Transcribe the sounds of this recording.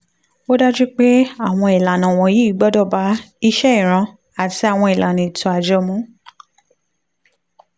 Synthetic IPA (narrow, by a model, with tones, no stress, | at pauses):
o˦da˦d͡ʒi˦k͡pe˦a˦˨w̃ɔ̃˧i˨la˨nã˨w̃ɔ̃˨ji˨˦i˦ɡ͡bɔ˦dɔ˦˨ba˨˦i˧ʃɛ˦i˦˨ɾ̃ã˧ | a˨ti˨˧a˦˨w̃ɔ̃˧i˨lʔa˨nĩ˨tũ˧˨a˨d͡ʒɔ˨˧mũ˨˦